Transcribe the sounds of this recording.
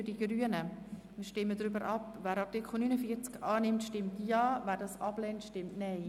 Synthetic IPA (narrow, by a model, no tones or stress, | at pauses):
ydiɡ̥ɾyənəmiːʃtɪmːədɾʏbəɾʔɑpvæːɾɑrtɪkχl̩ˠnynəfiət͡skɑːnɪmtʃtɪmtjɑːvæːɾdɑsɑb̥lɛntʃtɪmtnaɪ